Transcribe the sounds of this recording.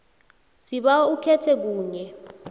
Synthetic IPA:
siɓaukʰɛtʰɛk̬uːɲɛ

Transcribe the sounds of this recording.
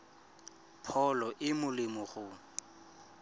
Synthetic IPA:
pʰɔlɔʔɪmʊlɪmʊχʊ

